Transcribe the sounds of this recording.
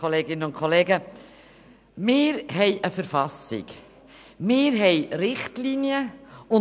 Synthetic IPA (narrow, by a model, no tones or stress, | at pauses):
oleːɡɪnənʊnkʰɔleːɡə | mɪːɾɦɛɪʔəfəɾfɑsɪ̰ɡ | mɪːɾɦɛjɾɪχtlinjəʊ